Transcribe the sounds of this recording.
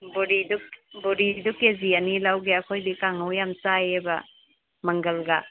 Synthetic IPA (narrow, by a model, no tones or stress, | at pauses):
bɔɾidubɔɾidukezianilawɡeakʰojdikaŋawjamsajeba̰ | mɐŋɡəlɡa